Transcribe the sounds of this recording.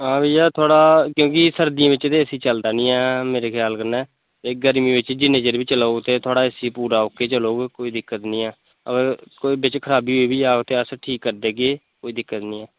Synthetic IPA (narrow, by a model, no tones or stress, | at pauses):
ãːbiːjaːt̪ʰʊaːɽaːkjõːk̬ɪsəɾd̪ijãːʋɪt͡ʃt̪eːəsiːt͡ʃəld̪aːnĩːɛːmeːɾeːkʰjaːlkəɾnɛː | eːɡəɾmiːʋɪt͡ʃd͡ʒɪnẽːd͡ʒeːɾbiːt͡ʃəlaːut̪eːt̪ʰʊaːɽaːɪsiːpuːɾaːokːeːt͡ʃəloːɡkoːiːd̪ɪkːət̪nĩːɛː | ə̰ɡəɾkoːiːbɪt͡ʃkʰəɾaːbiːɦoːiːbʱiːaːt̪eːəsʈʰiːkːəɾd̪eːɡeː | koːiːd̪ɪkːət̪nĩːɛː